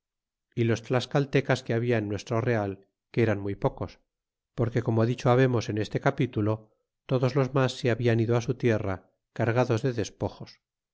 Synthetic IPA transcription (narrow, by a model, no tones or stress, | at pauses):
ilo̞st̪laskalt̪e̞kaske̞aβiaenːwe̞st̪ɾo̞re̞al | keeɾanmujpo̞ko̞s | po̞ɾke̞ko̞moaðit͡ʃoaβ̞e̞mo̞se̞ne̞st̪e̞kapit̪ulo̞ | t̪o̞ðo̞zlo̞zmasːeaβianiðoasut̪je̞ra | kaɾɣ̞aðo̞zðe̞ðe̞spo̞xos